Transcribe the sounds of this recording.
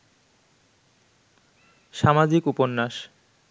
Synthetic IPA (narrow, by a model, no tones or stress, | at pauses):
ʃamad͡ʑikuponːaʃ